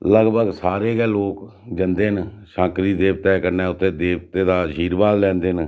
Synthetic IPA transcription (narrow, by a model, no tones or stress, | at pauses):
ləɡbəɡsaːɾeːɡɛːloːk | d͡ʒənd̪eːnʃãːkɾiːd̪eːbt̪ɛːkəɾnɛ̃ːʊt̪ʰːeːd̪eːbt̪eːd̪aːd͡ʒiːɾbaːllɛ̃ːnd̪eːn